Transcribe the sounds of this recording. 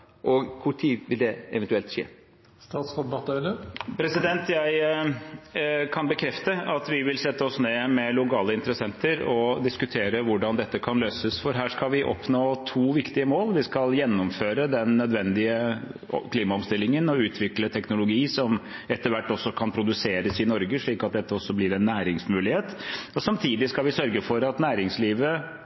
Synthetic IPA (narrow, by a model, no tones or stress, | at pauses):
ʔɔkʰʊʈʰiːd̪ʋɪld̪ɛɛ̰ʋɛnt̪ʉɛlt̪ʂḛː | st̪ɑːt̪sɔmbɑt̪əəpʰɾɛsɪd̪ɛnt̪ʰjæɪ | kʰɑnbəkʰɾɛft̪əɑt̪ʋɪʋɪlsɛt̪ːəɔsneːmɛlʊkɑːləɪnt̪əɾəsɛnt̪əɾɔd̪ɪskʉt̪ʰeːɾəʋʊɖɑnd̪ɛt̪ːəkʰɑnløːsəsfɔɾɦæːʂkɑlʋɪʔɔ̰pnoːt̪ʰuːʋɪkt̪ɪəmoːlʋɪskɑljɛnːɔmføːɾəd̪ɛnːœd̪ʋɛnd̪ɪə | kʰliːmɑɔmst̪ɪlːɪŋənɔʉːt̪ʰʋɪklət̪ʰɛknʊlʊɡiːsɔmɛt̪ːəɾʋæʈːɔsːɔkʰɑnpʰɾʊd̪ʉseːɾəsɪnɔɾɡəʂɭiːkɑt̪̚d̪ɛt̪ːəɔsːɔblɪɾɛnːæːɾɪŋsmʉːlɪheːt̪ɔsɑmt̪ʰiːd̪ɪskɑlʋɪsœɾɡəfɔɾɑt̪næːɾɪŋsliːʋə